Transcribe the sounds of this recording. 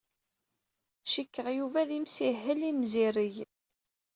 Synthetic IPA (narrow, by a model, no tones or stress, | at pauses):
ʃikːəʁjuvæðimsiɦːəlimziɾiʝ